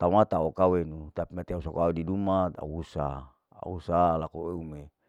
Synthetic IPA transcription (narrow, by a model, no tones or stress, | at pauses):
t̪aumat̪aokawenut̪apimat̪iausakoaudidumat̪a̰usa | a̰usalakoeume